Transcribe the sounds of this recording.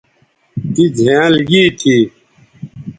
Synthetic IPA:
t̪id͡zʱeãlɡiːt̪ʰi

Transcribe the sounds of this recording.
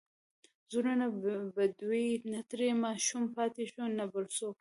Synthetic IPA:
zuɾanabad̪winat̪ɾemɑʃumpɑt̪eʃonabəɾso

